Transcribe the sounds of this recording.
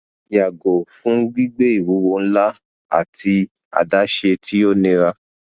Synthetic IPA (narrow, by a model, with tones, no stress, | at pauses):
ja˨ɡo˨fũ˦ɡ͡bi˦ɡ͡be˦i˦˨wu˨˦wo˧n̩˦la˦ | a̰˦˨ti˧ | a̰˨da˨˦ʃe˧tʰi˦jo˦˨nĩ˧ɾa˦